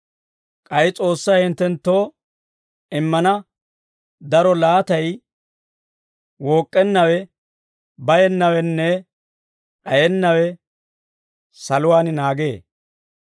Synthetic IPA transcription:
kʼɐjt͡sʼo̞ːsːɐjhɪnt̪ːɛnt̪ːo̞ː | ɪmːɐnɐ | d̪ɐɾɔlaːt̪ɐj | woːkʼːɛnːɐwɛ | bɐjɛnːɐwɛnːɛ | ʔɐjɛnːɐwɛ | sɐlʊwaːnɪnaːɡe̞ː

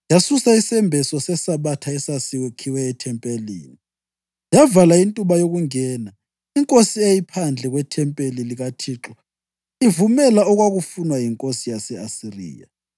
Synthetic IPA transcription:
jasusaisɛmbʱɛsɔsɛsaβatʰaɛsasiɣɛkʰiwɛːtʰɛmpʼelḭːni | javalaintʼuβajoɣuŋɛːna | iŋkʼosiejipʰand͡ɮʱɛɣwɛtʰɛmpʼeliliɣatʰiǁɔ | ivumɛlaɔɣwaɣufunwajiŋkʼosijasɛasirḭːja̰

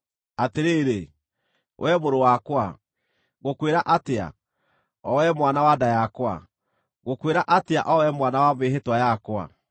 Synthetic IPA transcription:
ateɾeːɾe | wʔɛmoɾowakwa | ɣokweɾaʔatea̰ | ɔwɛmwanawadajakwa̰ | ɣokweɾaʔatea̰ʔɔwɛmwanawameɦetwajakwa̰

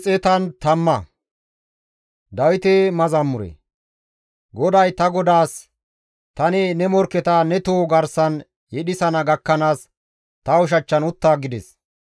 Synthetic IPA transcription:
t͡sʼɛt̪ɐnt̪ɐmːɐ | d̪ɐwɪt̪ɛmɐzɐmːʊɾɛ̰ | ɡɔd̪ɐjt̪ɐɡɔd̪aːs | t̪ɐnɪnɛmɔɾkɛt̪ɐnɛt̪oːɡɐɾsɐn | jɛɗɪsɐnɐɡɐkːɐnaːs | t̪ɐʊʃ̬ɐt͡ʃːɐnʊt̪ːaːɡɪd̪ɛs

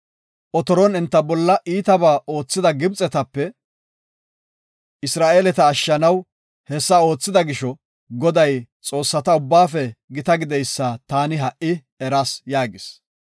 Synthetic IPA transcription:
ʔɔt̪ɔɾɔnɛnt̪ːɐbɔlːɐʔiːt̪ɐbaːʔo̞ːt͡sːɪd̪ɐɡɪbt͡sʼɛt̪ɐpːɛ | ɪsɾaːʔeːlɛt̪ɐːʃːɐnɐw | hɛsːɐo̞ːt͡sːɪd̪ɐɡɪʃɔ | ɡɔd̪ɐjt͡sʼo̞ːsːɐt̪ɐʊbːaːfɛɡɪt̪ɐɡɪd̪ɛjsːat̪aːnɪɦɐʔːɪ | ɛɾɐsjaːɡɪs

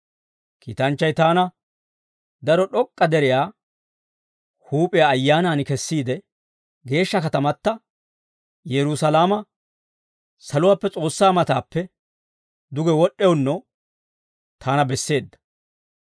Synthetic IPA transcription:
kḭːt̪ɐnt͡ʃːɐjt̪aːnɐ | d̪ɐɾɔɗɔkʼːɐd̪ɛɾɪjaː | huːpʼɪjaːjːaːnaːnɪkɛsːiːd̪ɛ | ɡe̞ːʃːɐkɐt̪ɐmɐt̪ːɐ | jɛɾʊsɐlaːmɐ | sɐlʊwaːpːɛt͡sʼo̞ːsːaːmɐt̪aːpːɛ | d̪ʊɡɛwɔɗːɛwʊnːɔ | t̪ʰaːnɐbɛsːe̞ːd̪ːɐ̥

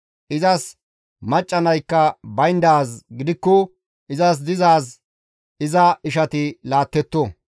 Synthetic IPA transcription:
ʔɪzɐs | mɐt͡ʃʼːɐnɐjkːɐbɐjnd̪aːsɡɪd̪ɪkːɔ | ʔɪzɐs̬d̪ɪzaːs | ʔɪzɐɪʃɐt̪ɪlaːt̪ːɛt̪ːɔ

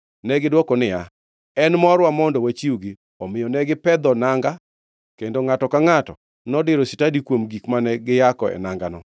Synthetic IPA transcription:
nɛɡɪdwɔkɔnɪja | ɛnmɔɾwamɔndɔwat͡ʃiuɡɪ | ɔmɪjɔnɛɡɪpɛd̪ɔnaŋɡa | kendoŋatɔkaŋatɔ | nɔdɪɾɔsɪtadikwomɡikmanɛɡɪjakɔɛ̰naŋɡanɔ

